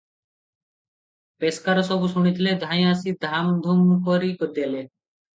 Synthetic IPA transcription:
peskaɾɔsɔbusuɽ̃it̪ʰiled̪ʱãj̃asid̪ʱamd̪ʱumkɔɾikɔd̪ele

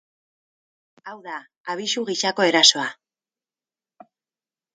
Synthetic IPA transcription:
awðaː | β̞isuɣiʃako̞e̞ɾaso̞a

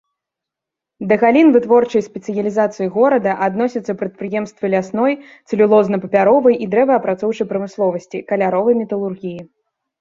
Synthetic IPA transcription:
d̪ɐɣalʲinvɨt̪vɔrt͡ʂɐjspʲɛt̪sɨjɐlʲizat̪sɨjiɣɔɾɐd̪ɐʔad̪nɔsʲɐt̪sːɐpɾɐt̪̚pɾɨjɛmst̪vɨlʲasnɔj | t̪sɨlʲulˠɔznɐpɐpʲaɾɔvɐjʔid̪ɾɛvɐɐpɾat̪sɔwt͡ʂɐjpɾɐmɨslˠɔvɐsʲt͡sʲikɐlʲaɾɔvɐjmʲɛt̪ɐlˠurɣʲiji

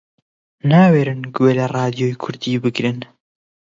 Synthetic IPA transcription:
naːweːɾɨnɡweːlɐrˤɑːd̪ijoːjkʰʊɾd̪iːbɨɡɾɨn

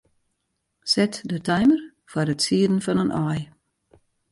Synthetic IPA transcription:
sɛtdətʰajmər | fwarətsiədən̩fɔnənʔɔj

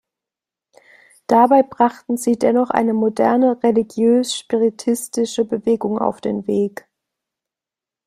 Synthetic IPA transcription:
d̥abaɪbʁaχtn̩ziːdɛnɔχʔa̰ɪnəmodɛɐnəʁeliɡjøːsʃpiʁɪtʰɪstɪʃəbəveːɡʊŋa̰ʊfd̥eːnveːk

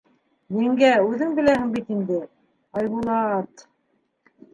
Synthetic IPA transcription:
jɘ̆ŋɡæʉðɘŋbɘ̆læhɘ̆ŋbit̪ind̪ɘ | ɑjβulˠɑt̪

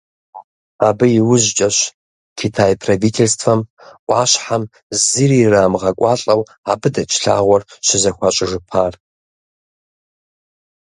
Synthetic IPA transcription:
aːbɨjɪwʊʑt͡ʃʼɐɕ | kʲʰitʰaːjpʰrovitʰelstʰfɐmʔʷʼɑːɕħam | zɨriːraːmʁɐkʷʼɑːɬʼɐw | aːbɨdɐt͡ʃʰɬa̰ːʁʷɔrɕɪzɐxʷat͡ʃʼɪʐɨpʰaːr

